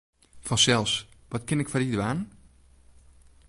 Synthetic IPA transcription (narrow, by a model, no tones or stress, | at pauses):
fɔnsɛlˠsʋɔtkɪnɪkfɔridəʋaːn